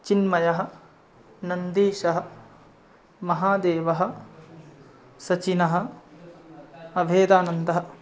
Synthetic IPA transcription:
t͡ʃinmɐjɐɦɐ̆ | nɐnd̪iːʃɐɦɐ̆ | mɐɦaːd̪eːʋɐɦɐ̆ | sɐt͡ʃinɐɦɐ̆ | ɐbʱeːd̪aːnɐnd̪ɐɦɐ

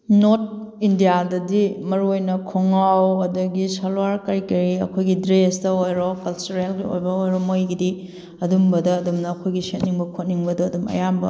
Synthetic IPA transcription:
not̚indijadɐdimɐɾuojnɐkʰoŋawɐdɐɡisalwaɾkɐɾikɐɾiɐ̰kʰojɡidɾestɐojɾɔkɐlt͡ʃuɾelɡio̰jbɐojɾɔmojɡidi | ɐdumbɐdɐːdumnɐːkʰojɡiset̚niŋbɐkʰot̚niŋbɐdɐːdumɐ̰jambɐ̰

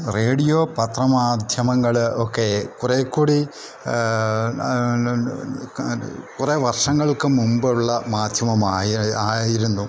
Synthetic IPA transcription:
re̞ːɽijoːpɐt̪rɐmaːd̪ʱjɐmɐŋːɐɭokːe̞kurekːuːɽi | kureʋɐrʂɐŋːɐɭkɨmumbɨɭːɐmaːd̪ʱjɐmɐmaːjaːjiɾunːu

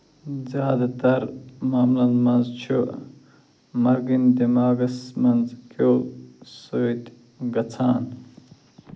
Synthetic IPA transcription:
zjaːd̪at̪ɐɾmaːmulɐnmɐnzt͡ʃʰo | mɐɾɡind̪imaːɡɐsmɐnzkʰosoit̪ | ɡɐt͡sʰaːn

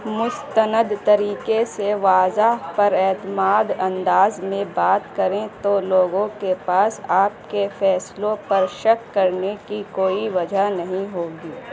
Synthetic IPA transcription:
mʊst̪ənəd̪t̪ɐɾiːkeseʋaːzaɦpɐɾɛːt̪əmaːd̪ɐ̃nd̪aːzmẽbaːt̪kɐɾẽt̪oloːɡõkepaːsaːp̚kefʰɛːslõpɐɾʃɐkːɐɾnekikoːiʋɐd͡ʒʱanɐɦĩɦoːɡiː

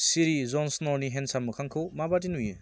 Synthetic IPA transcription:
siɾizɔnsnɔniɦensamɯkʰaŋkʰɯwmabat̬inujɯ

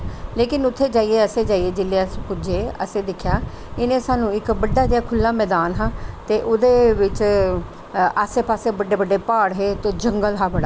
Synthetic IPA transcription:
leːkɪnʊt̪ʰːeːd͡ʒaːiːeːəseːd͡ʒaːieːd͡ʒɪlːespʊd͡ʒeːə̰seːd̪ɪkʰjaː | ɪnẽːsaːnũːɪkbəɖːaːd͡ʒiaːkʰʊlːaːmɛːd̪aːnɦãːt̪eːʔʊd̪eːʋɪt͡ʃ | aːseːpaːseːbəɖːeːbəɖːeːpaːɽɦeːt̪eːd͡ʒəŋɡəlɦaːbəɽaː

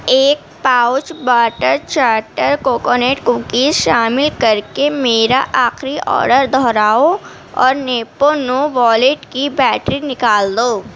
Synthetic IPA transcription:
eːk̚paːʊt͡ʃbaːʈəɾt͡ʃaːɾʈəɾkoːkoːneːʈkũːkiːzʃaːmɪlkɐɾkemeːɾaʔaːxɾiʔɔ̰ːɾɖəɾd̪ʱɔːɾaːo | ɔ̰ːɾneːponoːʋɔːleʈkibɛːʈɾinɪkaːld̪oː

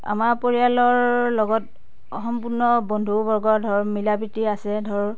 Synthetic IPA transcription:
a̰maɹpoɹijalɔɹlɔɡɔt | ɔxɔmpuɹnɔbɔndʱubɔɹɡɔdʱɔɹmilabɹitiasɛdʱɔɹ

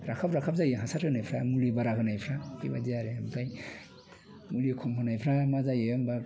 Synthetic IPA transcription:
ɾakʰapɾakʰap̚zajeɦasatɡɯnajpʰɾamulibaɾaɡɯnajpʰɾahḭbadijaɾeampʰaj | mulikʰɔmpʰanajpʰɾamazajemba

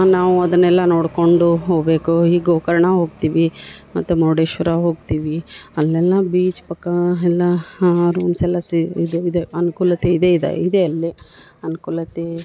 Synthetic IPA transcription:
naːʋuɐd̪ɐnːɛlːɐno̞ːɽko̞ɳɖuɦoːɡbe̞ːkuɦiːɡoːkɐɾɐɳɐɦoːɡt̪iːʋimɐt̪ːumoːɖeːʃʋɐɾaɦoːɡt̪iːʋiɐlːɛlːɐbiːt͡ʃpɐkːɐɛlːɐɾuːmsɛlɐsiid̪uid̪eɐnukuːlɐt̪eid̪eːid̪ḛid̪eɐlːi | ɐnukuːlɐt̪e

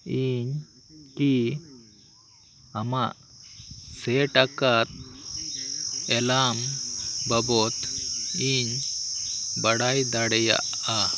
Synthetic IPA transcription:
iɲ | ki | amaʔ | seʈakat̪̚ | ɛlambəbɔt̪iɲ | bəɽajd̪aɽja̰ʔ | a

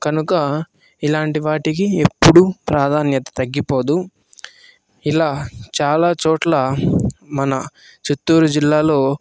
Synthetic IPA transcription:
kɐnukɐ | ilaːɳʈiʋaːʈikie̞pːuɽupɾaːd̪ʱaːnjɐt̪ɐ̥t̪ɐɡːipo̞ːd̪u | ilaːt͡ʃaːlaːt͡ʃɔːʈlɐ | mɐnɐ | t͡ʃut̪ːuːɾud͡ʒilːaːlo̞ː

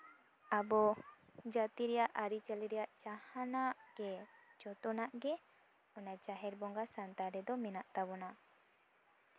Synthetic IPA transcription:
abɔ | d͡ʒat̪iɾɛjaʔaɾit͡ʃɛliɾɛjaʔt͡ʃahanaʔɡ̥ɛd͡ʒɔt̪ɔnaʔɡɛ | ɔnat͡ʃaɦɛɾbɔŋɡasant̪aɾɛd̪ɔmɛnaʔt̪abɔna

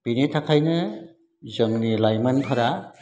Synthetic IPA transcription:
b̥initʰakʰajnɯ | zɯŋnilajmanpʰaɾa

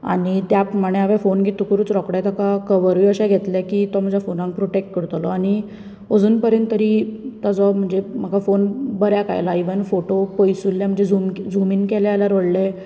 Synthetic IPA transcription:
a̰ɽ̃it̪japɾəmaɽ̃ẽaʋefonɡʱit̪ukuɾuːt͡sɾɔkɽɛt̪akakəʋəɾʋiəɕɛɡʱet̪lɛkiːt̪ɔm̤ad͡ʑjafonãŋk̚pɾoʈek̚ʈ̚kəɾt̪lɔaɽ̃i | od͡zuːnpəɾjənt̪ːəɾit̪ad͡zɔm̤əɳd͡zem̤əɡafonbəɾjaka̰jlaiʋənfoʈopojsulːjam̤əɳd͡zed͡zumd͡zumiːnkɛljaljaɾoɽlɛ

